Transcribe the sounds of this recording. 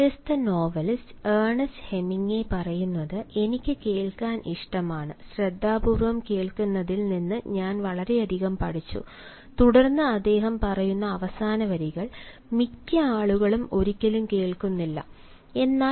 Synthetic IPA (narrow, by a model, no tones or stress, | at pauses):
est̪ɐno̞ːʋɐlseːɳɐshe̞miŋːe̞pɐrɐjunːɐðɨʔe̞nikʲːɨke̞ːɭkaːnʔiʂʈɐmaːɳɨɕred̪ʱːaːbuːrʋɐmke̞ːɭkunːɐðilninːɨɲaːnʋɐɭɐɾe̞ɐd̪ʱiɣɐmpɐɽit͡ɕːṵ | t̪uɽɐrnːɨɐd̪ːe̞ːɦɐmpɐrɐjunːɐːʋɐsaːnɐʋɐɾiɣɐɭ | mikʲːɐaːɭuɣɐɭumʔo̞ɾikʲːɐlumke̞ːɭkunːilːɐ̰ | e̞nːaː